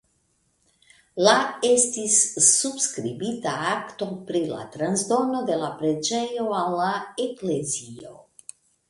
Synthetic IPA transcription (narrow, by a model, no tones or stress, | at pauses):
laest̪isːubskɾibit̪aakt̪opɾila̰t̪ɾanzd̪o̞no̞d̪e̞lapɾed͡ʒejoalaeklezio